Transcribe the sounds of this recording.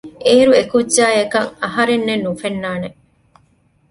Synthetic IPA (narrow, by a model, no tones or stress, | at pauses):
ʔeːɾuekud͡ʒaːjekɐŋɐɦɐɾenːenːufenːaːne